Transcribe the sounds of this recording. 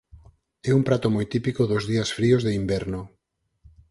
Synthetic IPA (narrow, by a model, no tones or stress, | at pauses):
ɛumpɾat̪ʊmojt̪ipikoðʊzðiasfɾiozðeimbɛɾno